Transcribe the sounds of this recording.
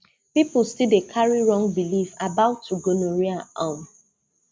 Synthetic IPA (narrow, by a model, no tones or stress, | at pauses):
piplstidekʰaɹiɹɔ̃ŋbilifabaʊtʰːuɡonoɹiaʔãm